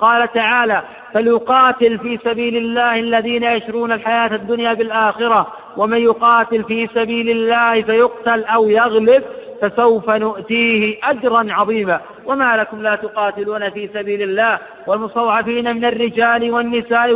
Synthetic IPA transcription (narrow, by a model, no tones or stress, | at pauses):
qɑːlat̪aʕaːlaː | faljʊqɑːt̪ɪlfiːsabiːlɪlːaːhalːaðiːnajaʃɾˤuːnalħajaːt̪ad̪ːʊnjaːbɪlʔaːxɪɾa | wʔamanjʊqɑːt̪ɪlfiːsabiːlɪlːaːhfajʊqt̪alʔawjaɣlɪb̚fasawfanʊʔt̪iːhɪʔad͡ʒɾˤɑnʕɑðˤiːmaː | wamaːlakʊmlaːt̪ʊqɑːt̪ɪluːnafiːsabiːlɪlːaːh | walmʊsˤt̪ˤɑwʕɑfiːnamɪnarːɪd͡ʒaːlwanːɪsaːʔ